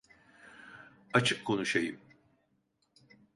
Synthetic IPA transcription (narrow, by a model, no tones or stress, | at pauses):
at͡ʃʰɯkkʰːo̞nuʃajɯm